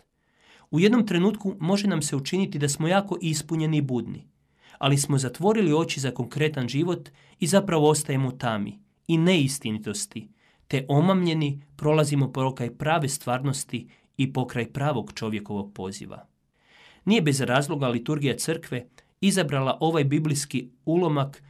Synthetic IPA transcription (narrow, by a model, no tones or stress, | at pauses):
uje̞d̪no̞mt̪ɾe̞nuːt̪kumo̞ʒe̞namse̞ut͡ʃinit̪id̪asmo̞jaːko̞ʔispuɲe̞niːbud̪nḭ | a̰lismo̞zat̪ʋo̞ɾilio̞t͡ɕizako̞ŋkɾe̞t̪anʒiʋo̞t̪ | izapɾaʋo̞o̞st̪aje̞mot̪amḭ | ine̞ist̪init̪o̞st̪i | t̪e̞ʔo̞mamʎe̞nipɾo̞lˠazimo̞pookajpɾaːʋe̞st̪ʋaːɾno̞st̪i | ipo̞kɾajpɾaːʋo̞ɡt͡ʃo̞ʋje̞ko̞ʋo̞ɡ̚po̞zḭʋa̰ | nije̞be̞zɾaːzlˠo̞ɡalit̪uɾɡijat̪sɨr̩kʋe̞ | izabɾalaʔo̞ʋajbibliskiulo̞mak